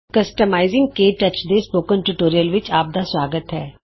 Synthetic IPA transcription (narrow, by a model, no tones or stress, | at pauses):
kəsʈəmaːizɪŋɡkeːʈət͡ʃd̪eːspoːkənʈuʈoːɾijəlʋɪt͡ʃaːp̚d̪aːswaːɡət̪ɦɛː